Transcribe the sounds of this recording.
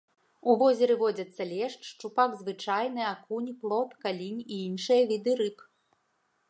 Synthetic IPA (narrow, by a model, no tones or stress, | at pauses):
uvɔzʲɛɾɨvɔd͡zʲɐt̪sːɐlʲɛʂt͡ʂʂt͡ʂupaɡzvɨt͡ʂajnɨakunʲplˠɔpkalʲinʲiinʂɨjɐvʲid̪ɨɾɨk